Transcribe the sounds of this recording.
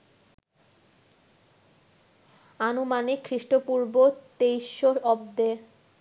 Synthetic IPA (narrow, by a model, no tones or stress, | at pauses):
anumanikʰːɾiʃʈopuɾbot̪ejʃːoɔbd̪e